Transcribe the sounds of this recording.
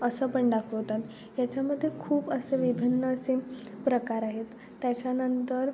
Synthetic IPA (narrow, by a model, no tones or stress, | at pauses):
əsəpəɳɖakʰət̪at̪ | jat͡ɕjaməd̪ʱːjekʰuːbəseʋibʱinːəːse | pɾəkaɾaɦet̪ːjat͡ɕjanənt̪əɾ